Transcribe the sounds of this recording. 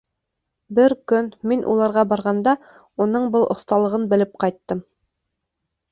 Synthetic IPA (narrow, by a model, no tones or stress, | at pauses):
bɘɾkɵnminʔṵlˠɑɾʁɑbɑɾʁɑnd̪ɑ | unɤɴbɤlˠʔŏθt̪ɑlˠɤ̆ʁɤnbɘ̆lɘp̚qɑjt̪ːɤm